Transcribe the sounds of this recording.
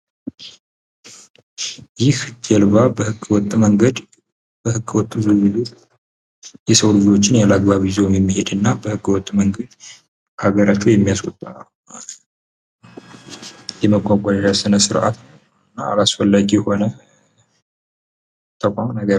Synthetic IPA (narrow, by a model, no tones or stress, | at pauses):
jɪhd͡ʒɛlβabəhɨɡːwɔt̪ʼməŋɡəd̪ | bəhɨɡwɔt̪ʼːuzɨzɨd͡ʒet̪ | jɛsəwlɨd͡ʒo̞t͡ʃːɪnjalaɡbaβizewmjɛmːihe̞d̪ɨnːabəhɨɡːwɔt̪ʼːməŋɡəd̪ | haɡəɾat͡ʃːujɛmːijasʼɔ̰t̪ʼːa | malə | jɛməɡʷaɡʷʼad̪aʒasɨnəsɨɾʔa̰t̪ | ɨnːaa̰lasfəlːaɡijho̞nə | t̪ʰəkʷʼamnəɡə